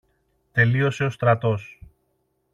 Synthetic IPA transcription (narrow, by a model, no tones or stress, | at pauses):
t̪e̞lio̞se̞o̞st̪ɾɐt̪o̞s